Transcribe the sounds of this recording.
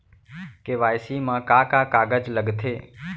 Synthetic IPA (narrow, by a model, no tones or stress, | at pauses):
keʋaːjsiːmãːkaːkaːkaːɡəd͡ʒləɡt̪ʰeː